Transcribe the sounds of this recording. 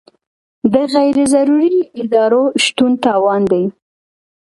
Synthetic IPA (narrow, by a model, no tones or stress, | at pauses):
d̪əɣajɾɪzaɾuɾiɪd̪ɑɾoʃt̪unt̪ɑwɑnd̪aj